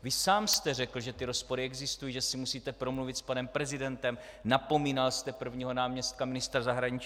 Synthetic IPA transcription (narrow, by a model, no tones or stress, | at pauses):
vɪsaːmst̪ɛrɛkl̩ʒɛt̪ɪɾo̞spo̞ɾɪɛɡzɪst̪ujiːʒɛsɪmusiːt̪ɛpɾo̞mluvɪt̪spanɛmpɾɛzɪdɛnt̪ɛm | napo̞miːnalst̪ɛpr̩vɲiːɦo̞naːmɲɛst̪̚kamɪnɪst̪ɾazaɦɾaɲɪt͡ʃ